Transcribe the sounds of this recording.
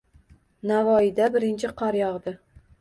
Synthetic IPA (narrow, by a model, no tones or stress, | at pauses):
navɒɪd̪abɪɾɪnt͡ʃʰɪqʰɑɾjɒʁd̪ɪ